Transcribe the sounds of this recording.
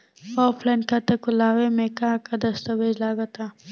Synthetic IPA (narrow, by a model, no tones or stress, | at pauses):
ɔːpʰlaːnkat̪ɐkʊlaːʋemẽkakad̪ɐst̪ɐbʱeːd͡ʒlaːɡat̪aː